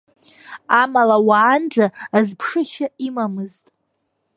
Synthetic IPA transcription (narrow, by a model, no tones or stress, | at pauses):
amalawaːnd͡zaːzpʰʂɨʃaimamɨztʼ